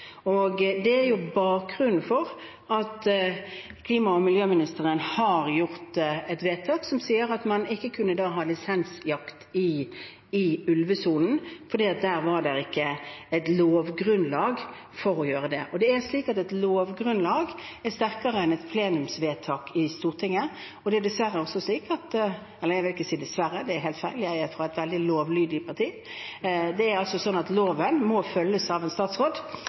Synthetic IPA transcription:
ɔɡd̪ɛæɾjʊbɑːkʁʉnn̩fɔɾ | ɑt̪ | kʰliːmɑɔmɪljøːmɪnɪst̪əʁənhɑɾjʊʁt̪ɛt̪ʋeːt̪ʰɑːksɔmsiːəɾɑt̪mɑnɪkːəkʰʉnːəd̪ɑːɦɑːlɪsɛnsjɑkt̪ɪ | ɪʉlʋəsuːln̩fɔɾd̪iːɑt̪̚d̪æːɾʋɑd̪ɛɾɪkːəɛt̪loːʋɡɾʉnlɑːɡ | fɔɾɔjøːɾəd̪ɛ̰ʔɔd̪ɛæɾsliːkɑt̪ɛt̪loːʋɡɾʉnlɑːɡæst̪æʁkɑɾəɛnɛt̪pʰleːnʉmsʋeːt̪ʰɑːkʰɪst̪uːʁt̪ʰɪŋːə | ɔd̪ɛɛɾd̪ɛsʋæɾəɔsɔsliːkɑt̪ | ɛlːəjæɪʋɪlɪkːəsiːd̪ɛsʋæɾːəd̪ɛæɾɦeːlt̪fæɪlɪæɪæfʁɔæɪt̪ʋɛld̪ɪloːʋlyːd̪ɪpʰɑʁt̪ʰiː | d̪ɛæɾɑlsɔsɔnːɑt̪loːʋənmɔfœlːəsɑʋɛnst̪ɑːt̪sʁoːd̪

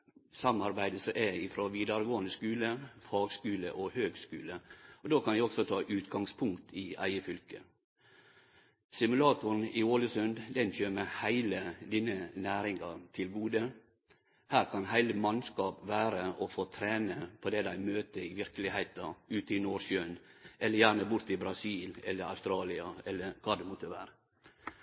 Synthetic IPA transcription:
sɑmɑɾbæɪd̪əsɔʔɛɪfɾoːʋiːd̪ɑɾɡoːənəskʉːləfɑːɡskʉːlə̰ʔɔhøːɡskʉːləɔd̪oːkʰɑnjæɪɔɡsɔt̪ʰɑːʔʉːt̪ɡɑŋspʰʊŋkt̪ʰɪæ̰ɪəfʏlkə | sɪmʉlɑːt̪ʊn̩ɪoːləsʉnd̪d̪ɛnçøːmɛhæɪləd̪iːnənæːɾɪŋɑt̪ʰɪlɡuːd̪ə | hæːɾkʰɑnɦæɪləmɑnskɑːpʋæːɾəʔɔfoːt̪ʰɾeːnəpʰɔd̪ɛd̪æɪmøːt̪əɪʋɪɾkəlɪhæɪt̪ɑʉːt̪ɪnoːɾʃøːnʔɛlːəɾjæːɾnəbʊɾt̪ɪbɾɑsiːlɛlːəɾɑ̰ʉst̪ɾɑːlɪɑɛlːəɾkʰɑːd̪ɛmɔt̪ʰəʋæ̰ːɾə

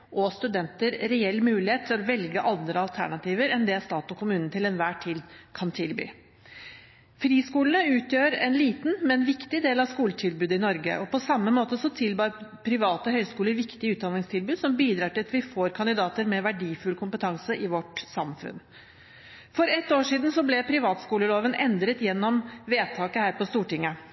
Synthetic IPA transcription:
ʔɔst̪ʉd̪ɛnt̪əɾɾɛɛlːmʉːlɪheːt̪ʰːɪlɔʋɛlɡəʔɑnd̪ɾəɑlt̪ʰæ̰ɳɑt̪ʰiːʋəɾɛnd̪ɛst̪ɑːt̪ɔkʰʊmʉːnn̩t̪ʰɪlɛnʋæːʈʰiːd̪kʰɑnt̪ʰɪlby̰ː | fɾiːskuːlənəʉːt̪jøːɾɛ̰nliːt̪nmɛnʋɪkt̪ɪd̪eːlɑʋskuːlət̪ʰɪlbʉːd̪əɪnɔɾɡə̰ʔɔpɔsɑmːəmoːt̪əsɔt̪ʰɪlbɑːɾpʰɾɪʋɑːt̪əɦœʏskuːləɾʋɪkt̪ɪəʉːt̪̚d̪ɑnɪŋst̪ʰɪlbʉːd̪sɔmbiːd̪ɾɑːʈɪlɑt̪ʋɪfoːɾkʰɑnd̪ɪd̪ɑːt̪əɾmɛʋæɖiːfʉlkʰʊmpət̪ʰɑŋsəʔɪʋɔʈsɑmfʉ̰n | fɔɾɛt̪ːoːʂiːd̪n̩sɔblɛpʰɾɪʋɑːt̪skuːləloːʋənʔɛnd̪ɾət̪jɛnːɔmʋeːt̪ʰɑːkəhæːɾpɔst̪uːʈɪŋːə

